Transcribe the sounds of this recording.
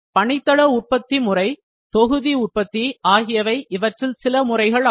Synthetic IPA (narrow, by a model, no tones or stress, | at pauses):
pɐɳɪt̪ːɐɭɐʊʈ̚pɐt̪ːimʊrɐɪ | t̪ɔɣɯðiʊʈ̚pɐt̪ːiaːɣɪjɐʋɐɪʔɪʋɐʈrɪlsɪlɐmʊrɐɪɣɐɭ